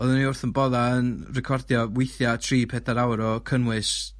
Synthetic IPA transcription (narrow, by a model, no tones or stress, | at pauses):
ɔðəniʊrθənbɔðaənrɛkʰɔrdjɔwɪjθjatʰriːpʰɛdaɾawɾɔkʰənwɨs